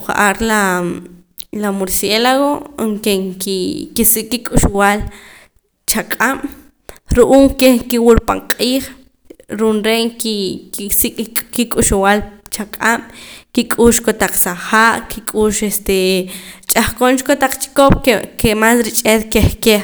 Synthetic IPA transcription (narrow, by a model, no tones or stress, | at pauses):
χa̰ʔaɾla | lamoɾselaɣoŋkeŋkikisikʼkikʼuʃuwal | t͡ʃakʼam̰ | ɾuʔuːŋkeŋkiwulpa̰ɴqʼiːχ | ɾunɾeʔkisikʼkikʼuʃuwalt͡ʃakʼam̰kikʼuːʃkot̪aq͡χsaχaːʔkikʼuːʃest̪et͡ʃʼaχkont͡ʃkot̪aq͡χt͡ʃi̥kopkekemasɾit͡ʃʼet̪keχke